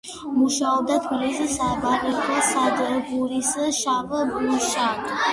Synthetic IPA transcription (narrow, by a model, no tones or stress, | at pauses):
muʃaɔb̚d̪at̪ʰbilisisabaɾɛbasad̪buɾisʃavəbuʃa